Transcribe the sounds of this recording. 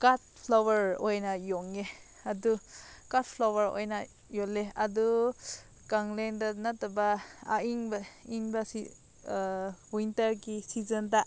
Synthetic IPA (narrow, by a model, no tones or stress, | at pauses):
kat̚pʰlawɐɾojnajɔŋe | adukat̚pʰlawɐɾo̰jna | joleadu | kaŋlendanatabaaiŋbaiŋbasḭ | wintɐɾɡisizənda